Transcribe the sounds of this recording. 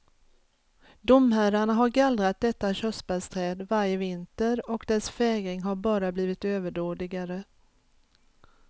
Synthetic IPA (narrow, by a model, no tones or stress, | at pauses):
d̪ʊmɦæːɾaɳaɦaɾɡald̪ɾat̪̚d̪ɛt̪ːaɕœsbalst̪ʰɾɛːd̪vaɾjəvɪnt̪əɾɔkd̪ɛsfɛːɡɾɪŋɦaɾbɑːɾabliːvɪt̪øːvəɖoːd̪ɪɡaɾə